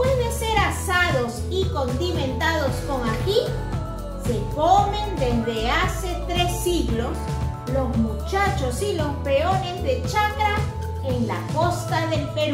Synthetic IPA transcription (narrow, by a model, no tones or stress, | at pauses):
pweðese̞ɾasaðo̞s | iko̞nd̪imẽ̞nt̪aðo̞sko̞ŋaki | se̞kome̞nd̪e̞zðe̞ase̞t̪ɾe̞siɣlo̞s | lo̞zmut͡ʃat͡ʃo̞silo̞spe̞one̞zðe̞t͡ʃakɾa | eŋla̰ko̞st̪aðe̞lpeɾ